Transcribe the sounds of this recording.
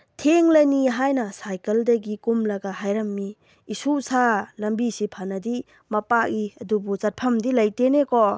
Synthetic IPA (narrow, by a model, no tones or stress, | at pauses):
tʰeŋlɐniɦajnɐsajkɐldɐɡikumlɐɡaɦajɾɐmːiː | susalɐmbisipʰanɐdi | mɐpak̚iɐdubut͡ʃat̚pʰɐmdilɐjtenekɔ